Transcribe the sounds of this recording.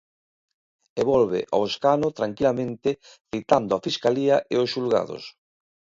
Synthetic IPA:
eβɔlβḛʔa̰eskanot̪ɾaŋkilamẽnt̪ɪ | θit̪and̪ʊafiskaliaʔeosʃulɣa̰ðoʊ̰s

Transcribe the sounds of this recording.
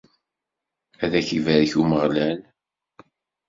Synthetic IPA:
æðæçivæɾçuməʁlæn

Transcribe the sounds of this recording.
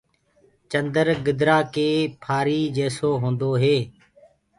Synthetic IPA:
t͡ʃənd̪əɾɡɪd̪ɾaːkeːpʰaːɾiːd͡ʒeːsoːɦõːnd̪oːɦeː

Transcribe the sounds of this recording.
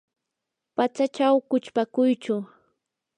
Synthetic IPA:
pat͡sat͡ʃawkʊt͡ʃpakʊjt͡ʃʊ

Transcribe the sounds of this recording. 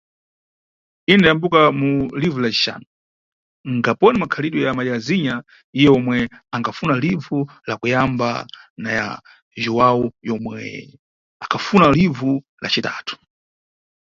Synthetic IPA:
indajambukamulivulat͡ʃi̥ʃa̰nɔ | ŋɡapɔnimakʰaliɗɔjamajaziɲa | ijɛɔmwɛaŋɡafunalivu | lakujamba̰naja̰ | ʒuwaujɔmwɛ̰ | akʰafunalivu | la̰t͡ʃitaːtʰu̥

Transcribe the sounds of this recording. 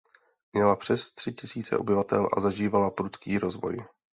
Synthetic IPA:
mɲɛlapr̝̥ɛst̪r̥ɪcɪsiːt͡sɛ̰ʔo̞bɪvat̪ɛlʔa̰zaʒiːvalapɾut̪kiːɾo̞zvo̞̰j

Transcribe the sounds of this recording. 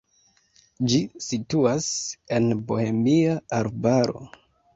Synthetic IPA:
d͡ʒisituase̞nbo̞he̞miaaɾbaɾo̞̰

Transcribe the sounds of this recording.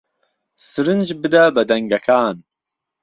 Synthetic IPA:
sɨɾɨnd͡ʒbɨd̪ɐbɐd̪ɐŋɡɐkʰaːn

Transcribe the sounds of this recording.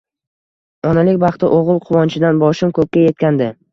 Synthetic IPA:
ɒnalɪkʲbɑχt̪ɪʔoʁɨlˠqʰʊwɒnt͡ʃʰɪd̪anbɒʃɪmkʰɵp̚kʲaje̞t̪̚kʲand̪ɪ

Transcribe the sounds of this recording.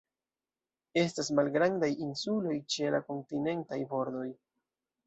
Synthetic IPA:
e̞stasmalɡɾandajinsulo̞jt͡ʃe̞la̰ko̞ntine̞ntajbo̞ɾdo̞j

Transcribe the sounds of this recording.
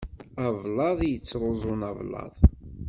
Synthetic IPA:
ɑvlɑðˤjət͡sːɾˤozˤʊnɑvlɑ̰ðˤ

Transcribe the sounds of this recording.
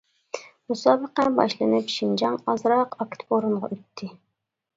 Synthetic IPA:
musɑːbəqænbɑ̰ʃlˠɨnɨpʃind͡ʒɑŋɑzɾɑqʰɑkʲt̪ʰboɾuɴʁɑ̰ʔøt̪ʰːɪ

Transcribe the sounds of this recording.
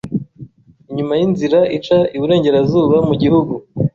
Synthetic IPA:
iɲumajinziɾaʔit͡ʃaiβuɾe̞ːɲɟe̞ɾazuːβamuɟihuɡu

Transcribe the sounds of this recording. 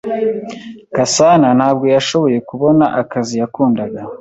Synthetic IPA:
kasanan̥haːb̚ɡo̞jaʃo̞βo̞je̞kuβo̞naʔakazijakuːndaɡa

